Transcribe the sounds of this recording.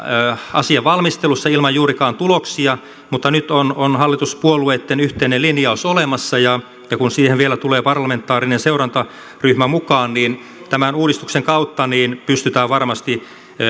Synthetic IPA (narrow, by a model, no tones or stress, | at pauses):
øːɑsiɑʋʋɑlmist̪elusːɑilmɑjjuːrikɑːnt̪uloksiɑ | mut̪ːɑnyt̪ononhɑlːit̪uspuolueːt̪ːenyht̪einelinjɑosolemɑsːɑjɑ | jɑkunsiːheʋʋielæt̪uleːpɑrlɑment̪ːɑːrinenseurɑnt̪ɑ | ryhmæmukɑːnniːn | t̪æmænuːdist̪ukseŋkɑut̪ːɑniːnpyst̪yt̪æːʋʋɑrmɑst̪i